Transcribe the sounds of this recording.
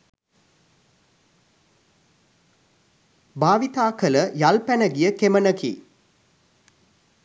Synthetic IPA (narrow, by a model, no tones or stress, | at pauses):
baːʋit̪aːkələjalpænəɡijəkemənəkḭ